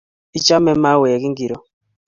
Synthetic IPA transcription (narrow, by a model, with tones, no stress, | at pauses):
i˨t͡ʃa˦mɛ˦ma˦wɛ˨a˨ki˦ŋɡi˨ɾɔ˨